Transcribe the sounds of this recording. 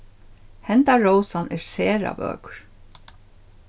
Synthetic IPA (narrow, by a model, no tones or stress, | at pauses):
hɛnt̪aɹowsanɛɹsɛːɾa̰bœ̰ːkɹ̥